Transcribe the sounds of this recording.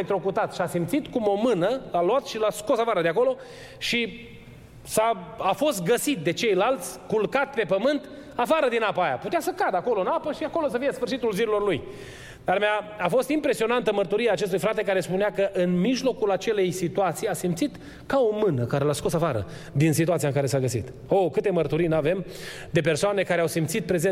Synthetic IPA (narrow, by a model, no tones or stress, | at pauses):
ek̚t̪ɾo̞kut̪at̪ʃiasimpt̪sit̪kumo̞mɨnəlaluat̪ʃilaskosafaɾəd̪eako̞lo̞ | ʃi | saafo̞st̪ɡəsit̪̚d̪e̞t͡ʃe̞jlalt̪sʲkulkat̪pe̞pəmɨnt̪ | afaɾəd̪inapaaja̰put̪easəkad̪ako̞loɨnapəʃiako̞lo̞səfijesfɨrʃit̪ulziɾilo̞rluj | d̪̥armeaafo̞st̪impɾe̞sio̞nant̪əmərt̪uɾieaːt͡ʃest̪ujfɾat̪e̞kaɾe̞spuneakəʔɨnmiʒlo̞kulat͡ʃe̞le̞jsit̪uat̪sijasimpt̪sit̪ | kao̞mɨnəkaɾelasko̞safaɾə̰ | d̪insit̪uat̪siaɨŋkaɾe̞saɡəsḭt̪ | okɨt̪emərt̪uɾijnuave̞m | d̪e̞p̬e̞rsoane̞kaɾeawsimt̪sit̪̚pɾe̞ze